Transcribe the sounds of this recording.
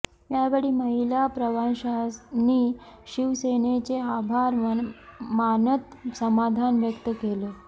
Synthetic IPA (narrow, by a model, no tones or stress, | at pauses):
jaʋəɽiːməɦilapɾəʋanɕaniːɕiʋsenet͡seabʱaɾʋənmanət̪səmad̪ʱanʋjəkt̪əkele